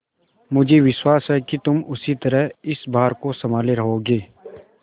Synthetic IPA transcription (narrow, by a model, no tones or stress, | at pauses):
mʊd͡ʒʱeʋɪʃwaːsɦɛkit̪ʊmʊsit̪ɐɾəɦɪsbaːəɾkosɐmaːleɾɐɦoːɡeː